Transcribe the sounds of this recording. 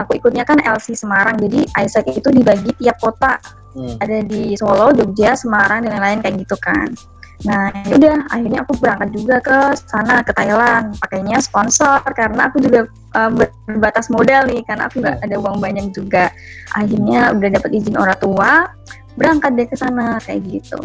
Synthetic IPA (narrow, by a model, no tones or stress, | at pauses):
akuikut̪̚ɲakanɛ̰lsisəmaɾaŋd͡ʒadiʔajsɛk̚it̪udibaɡit̪iap̚kot̪aː | dadisolɔd͡ʒok̚d͡ʒasəmaɾaŋdəŋanlaɪnkajaŋɡit̪uka̰nː | ahudaha̰hɪrɲaːkubəɾaŋkat̪̚d͡ʒuɡakəsanakət̪ailanpakajɲasə̥pɔnsɔrkaɾənaːkud͡ʒuɡa | ʔəːmbəbərbat̪asmodalnɪhkaɾəna̰ːkuŋɡa̰ʔadauaŋbaɲak̚d͡ʒuɡa | ʔa̰hɪrɲaudahdapət̪id͡ʒɪno̰ɾat̪ua | bəɾaŋkat̪̚dkəsanakaja̰ɡit̪ṵ